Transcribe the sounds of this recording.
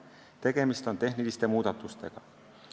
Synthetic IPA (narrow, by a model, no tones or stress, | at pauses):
t̪e̞ke̞mist̪o̞nt̪e̞hnilist̪emuːd̪ɑt̪ːˑust̪eɡ̥ɑ